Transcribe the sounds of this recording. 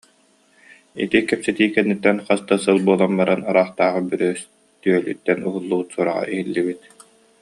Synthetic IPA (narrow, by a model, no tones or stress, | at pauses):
ḭt̪ikɛpsɛt̪iːkɛnːit̪ːɛnχast̪asɯlˠbuɔlˠanbaɾanaɾaːχt̪aːʁɯbyɾøːs | t̪yœly̰t̪ːɛnuɦulˠːuut̪suɔɾaʁa̰ʔiɦilːibit̪